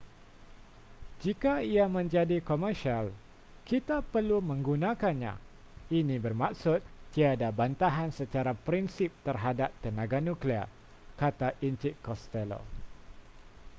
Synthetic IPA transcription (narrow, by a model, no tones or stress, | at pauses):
d͡ʒikaiamə̃ɲd͡ʒadikɔmərʃial | kit̪apərlumə̃ŋɡunãkanɲã̰ | inĩbərmak̚sʊt̪̚ːiadabant̪aɦansət͡ʃaɾapɾinsip̚t̪ərɦadap̚t̪ənãɡanũkliə̰ | kat̪aʔint͡ʃɪkːɔst̪ɛlo̰